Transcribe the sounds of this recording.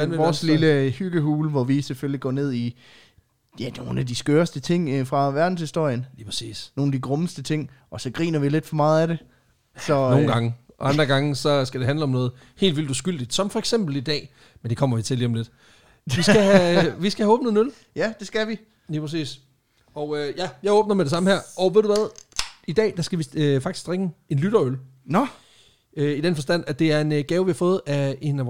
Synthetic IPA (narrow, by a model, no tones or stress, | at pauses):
ʋɒːsliləhyɡ̥əɦuːlʋɒʋisefølliɡ̥ɒ̰ːne̝ð̞̰ˠi | jæno̝ːn̩æd̥isɡ̥øːɐsd̥ət͡sʰe̝ŋ̰fʁɑ̈ʋæɐd̥n̩shisd̥o̝ɐ̰jənliːpʰʁsḭːsno̝ːnæd̥iɡ̥ʁɔ̽məsd̥ət͡sʰe̝ŋ̰ɒ̽sɒ̽ɡ̥ʁḭːnɐʋile̝d̥fɒ̽mɑ̈ːð̩ˠæɾe̝ | sɒ̽noːn̩ɡ̥ɑ̈ŋəɑ̈nd̥ʁɐɡ̥ɑ̈ŋəsɒ̽sɡ̥æd̥e̝ɦænləɒ̽mnɔ̽ːð̩ˠ | he̝̰ːld̥ʋild̥uːsɡ̥yl̰d̥id̥sɒ̽mfɒ̽eɡ̥sem̰b̥l̩id̥ɛ̰ː | mend̥e̝kʰɒ̽m̰ɐʋit͡sʰe̝liːsɒ̽mle̝d̥ | ʋisɡ̥æhæʋisɡ̥æhæɔ̽ːb̥n̩əð̩enøl | jæd̥e̝sɡ̥æʋi | liːpʰɐsḭːs | ɒ̽øjæjɑ̈ɪɔ̽ːb̥̚nɐmeɾ̥esɑ̈məhæɐ̰ʔɒʋe̝ðˠd̥ðuʋæðˠid̥ɛ̰ːd̥ɑsɡ̥æʋifɑ̈ɡ̥isɡ̥ʁeŋ̥əe̝nlyɾ̥ɐøl | n | øid̥enfɒ̽sd̥æn̰æd̥e̝æɐe̝nɡ̥ɛːʊʋihɑ̈fɔ̽ːð̞̩ˠæe̝næ